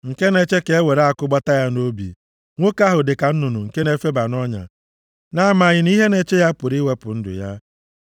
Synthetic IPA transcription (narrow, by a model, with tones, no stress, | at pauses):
ŋ̩˨ke˦ne˨t͡ʃe˦ke˨e˦we˨ɾa˦˨kʊ˦ɡ͡bɔ˦ta˦ja˦no˦bḭ˨ | ŋʷo˦ka˦ɦʊ˨dɪ˨ka˨n̩˦nu˨nu˨ŋ̩˨ke˦ne˦fe˦ba˨nɔ˦ɲa̰˨ | na˦ma˨ɣɪ˨ni˦ɦe˦ne˦t͡ʃe˦ja˦pʊ˨ɾi˦we˦pʊ˨n̩˦dʊ̰˨ja˦